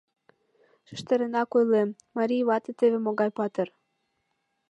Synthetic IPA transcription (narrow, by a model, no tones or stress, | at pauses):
ʃə̥̆ʃt̪ĕɾĕnɑkojlem | mɑɾʲijβɑt̪et̪eβemoɣɑjpɑt̪er